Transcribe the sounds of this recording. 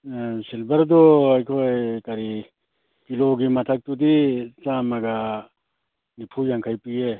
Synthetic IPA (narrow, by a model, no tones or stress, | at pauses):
silbɐɾd̪oɐjkʰojkɐɾi | kiloɡimɐt̪ʰɐk̚t̪ud̪it͡ʃamɐɡa | nipʰujaŋkʰajpie